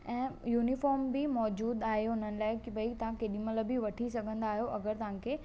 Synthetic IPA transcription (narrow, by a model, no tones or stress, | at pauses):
ɛ̃ːjuːnifɔːɾmbɪmɔːd͡ʑuːd̪aːɦeɦʊn̤ənɪ̆laːɪkɪbɐit̪ɐʋ̤ãkeːɗimɐləbiʋɐʈʰisɐɡʱə̃nd̪aːɦijoʔɐɡəɾt̪ɐʋ̤ãkʰeː